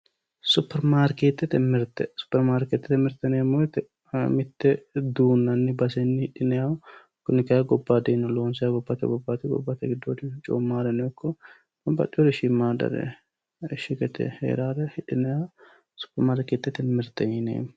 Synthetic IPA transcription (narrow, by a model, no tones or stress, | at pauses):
sʊpːɛɾmaːɾkeːt̪ːɛt̪ɛmɪɾt̪ɛsʊ̥pːɛɾmaːɾkeːt̪ːɛt̪mɪɾt̪ɛneːmɔt̪ɛ | mɪt̪ːɛd̪uːnːɐnːɪbɐsɛnːɪhɪᶑɪnɛjaw | kʊnɪkɐjaɡɔbːaːd̪eːnːɔloːnsɪjaɡɔbːat̪ɛ̰ɡɔbːat̪ɪɡɔ̰bːat̪ːɛɡɪd̪ːoːd̪ɪt͡ʃʼɔ̰ːmːaːɾɛnɛjɔkːɔ | ɐbɐ̰t͡ʃʼːɪjod̪ɛʃɪmːaːd̪ɐ̰ɾɛ̰ | ʃɪɡɛt̪ɛ̰hḛːɾaːɾɛhɪᶑɪnɛja | sʊ̥pːɛɾmaːɾkeːt̪ːɛt̪ɛmɪɾt̪ːɛɪnḛːm